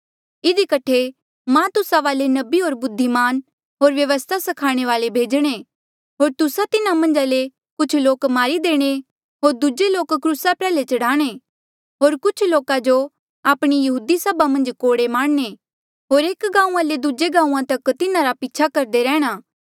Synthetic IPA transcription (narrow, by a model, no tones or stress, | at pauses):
ɪd̪ikɐʈʰe | mãt̪ʊsaʋaːlenɐbiɦoːɾbʊd̪ʱːimaːn | ɦoːɾʋjɐʋəst̪ʰasɐkʰaːɽ̃eʋaːlebʱeːd͡ʒɽ̃e | ɦoːɾt̪ʊsat̪ɪnamɐ̃nd͡ʒale | kʊt͡ʃʰloːkmaːɾid̪eːɽ̃e | ɦoːɾd̪ʊd͡ʒeloːkːɾuːsapɾɛːlet͡ʃɐɽaːɽ̃e | ɦoːɾkʊt͡ʃʰloːkad͡ʒo | aːpɽ̃ijɐɦuːd̪isɐbamɐ̃nd͡ʒkoːɽemaːɽne | ɦoːɾeːkɡãːũãled̪ʊd͡ʒeɡãːũãt̪ɐkt̪ɪnãɾapɪːt͡ʃʰakɐɾd̪eɾɛːɽ̃aː